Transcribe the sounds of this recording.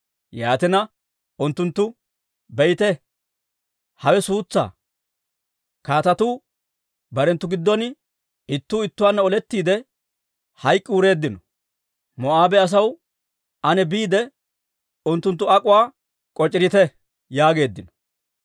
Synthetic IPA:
jaːt̪ɪnɐ | ʊnt̪ːʊnt̪ːʊ | bɛjt̪ɛ | hɐwɛsuːt͡sːa̰ː | kaːt̪ɐt̪uː | bɐɾɛnt̪ːʊɡɪd̪ːɔn | ɪt̪ːuːɪt̪ːʊwaːnːɐɔlɛt̪ːiːd̪ɛ | hɐjkʼːɪuːɾe̞ːd̪ːɪnɔ | mɔaːbɛɐs̬ɐw | ɐnɛbiːd̪ɛ | ʊnt̪ːʊnt̪ːʊɐkʼʊwaː | kʼɔt͡ʃʼːɪɾɪt̪ɛ | jaːɡe̞ːd̪ːɪnɔ̥

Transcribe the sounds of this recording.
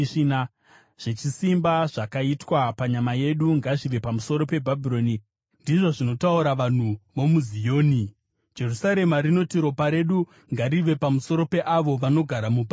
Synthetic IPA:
ina | ʐ̥et͡ʃisimbaʐakaitwapaɲamaje̞ɗuŋɡaʐiʋe̞pamuso̞ɾo̞pe̞bʱabʱiɾo̞ni | ndiʐo̞ʐino̞tauɾaʋan̤uʋomuzijo̞ːni | d͡ʒe̞rusaɾe̞maɾino̞tiɾo̞paɾe̞ɗu | ŋɡaɾiʋe̞pamuso̞ɾo̞pe̞ʔaʋo̞ʋano̞ɡʱaɾamuba

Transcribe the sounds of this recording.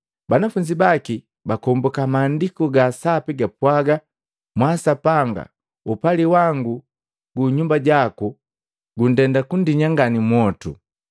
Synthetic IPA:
banafuɲd͡ʒibaki | bakɔmbɔkamaːndikɔɡasapiɡapwaɡa | mwasapaŋɡa̰ | upaliwaŋɡu | ɡuɲumbaɟaku | ɡun̩dɛndakun̩diɲaŋɡanimwɔtṵ

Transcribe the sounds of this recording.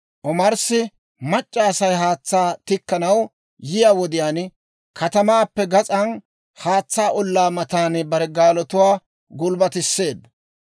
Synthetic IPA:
ʔɔmɐɾsɪ | mɐt͡ʃʼːɐːsɐjɦaːt͡sːaːt̪ɪkːɐnɐw | jɪjaːwɔd̪ɪjaːn | kʰɐt̪ɐmaːpːɛɡɐt͡sʼɐn | haːt͡sːaːʔɔlːaːmɐt̪aːnbɐɾɛɡaːlɔt̪ʊwaː | ɡʊlbɐt̪ɪsːe̞ːd̪ːɐ

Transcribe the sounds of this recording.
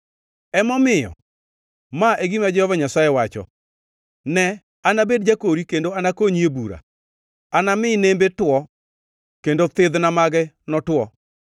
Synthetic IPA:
ɛmɔmɪjɔ̰ | maʔeɡimad͡ʒɛhɔvaɲasajɛwat͡ʃɔ̰ | nɛ | anabedd͡ʒakoɾikendoanakoɲiebuɾa̰ | anamɪːnembetwɔ | kendot̪ɪðnamaɡɛ | nɔtwɔ

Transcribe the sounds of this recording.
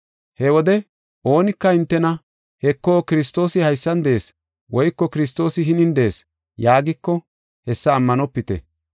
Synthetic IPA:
hɛwɔd̪ɛ | o̞ːnɪkːɐɪnt̪ːɛnɐ | hɛkːoːkɪɾɪst̪o̞ːsɪhɐjsːɐnd̪eeːs | wɔjkːɔkɪɾɪst̪o̞ːsɪɦɪnɪnd̪eeːs | jaːɡɪkːɔ | hɛsːɐːmːɐnɔpːɪt̪ɛ̰

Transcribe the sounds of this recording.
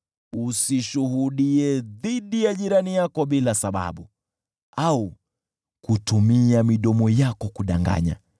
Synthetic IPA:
usiʃuɦuɗiɛðiɗijaʄiɾanijakɔɓilasaɓa̰ɓu | au | kutumiamiɗɔmɔjakɔkuɗaŋɡa̰ɲa̰

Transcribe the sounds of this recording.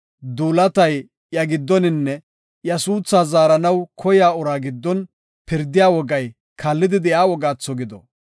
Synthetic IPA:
d̪uːlɐt̪ɐj | jɐɡɪd̪ːɔnɪnːɛ | jɐsuːt͡sːaːzaːɾɐnɐwkʰɔjaːʊɾaːɡɪd̪ːɔn | pɪɾd̪ɪjaːwɔɡɐj | kʰɐlːɪd̪ɪd̪ɪjaːwɔɡaːt͡sːɔɡɪd̪ɔ̰

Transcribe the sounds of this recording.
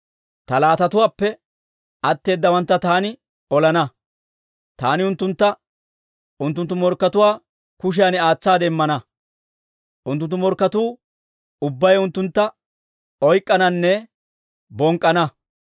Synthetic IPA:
t̪ɐlaːt̪ɐt̪ʊwaːpːɛ | ɐt̪ːe̞ːd̪ːɐwɐnt̪ːɐt̪aːnɪ | ɔlɐnɐ | t̪aːnɪʊnt̪ːʊnt̪ːɐ | ʊnt̪ːʊnt̪ːʊmɔɾkːɐt̪ʊwaː | kʊʃ̬ɪjanɪaːt͡sːaːd̪ɛɪmːɐnɐ | ʔʊnt̪̬ːʊnt̪ːʊmɔɾkːɐt̪uː | ʊbːɐjʊnt̪ːʊnt̪ːɐ | ɔjkʼːɐnɐnːɛ | bɔŋkʼːɐnɐ

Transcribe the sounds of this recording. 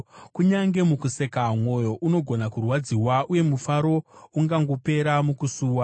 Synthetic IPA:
kuɲaŋɡe̞mukuse̞kamwo̞jo̞ʔuno̞ɡʱo̞nakurwad͡ziwauje̞mufaɾo̞uŋɡaŋɡope̞ɾamukusuːwa

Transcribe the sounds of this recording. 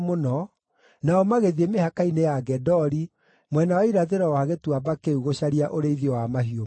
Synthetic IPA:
monɔ | naɔmaɣeðiemehakainejaɡɛdɔɾi | mwɛnawaiɾaðeɾaɔhaɣetwabakeuɣoɕaɾiaʔoɾeiðiɔwamaɦio

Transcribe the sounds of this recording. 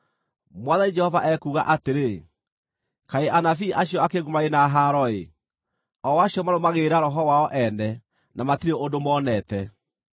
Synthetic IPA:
mwaðaid͡ʒɛhɔvaʔɛkuːɣaʔateɾe | kaeʔanafiʔaɕjɔakeɣumaenaɦaɾɔe | ɔwaɕjɔmaɾomaɣeɾaɾɔɦɔwaɔʔɛnɛ | namatiɾeondomɔnɛtɛ

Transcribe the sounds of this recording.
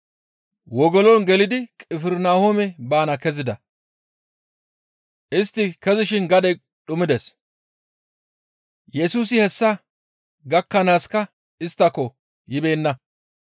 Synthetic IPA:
wɔɡɔlɔnɡɛlɪd̪ɪkʼɪfɪɾnaːhomɛbaːnɐkɛzɪd̪ɐ | ʔɪst̪ːɪkɛzɪʃɪnɡɐd̪ɛ | ɗʊmɪd̪ɛs | jɛsuːs̬ɪhɛsːɐ | ɡɐkːɐnaːskɐ | ɪst̪ːɐkːɔ | jɪbeːnːɐ

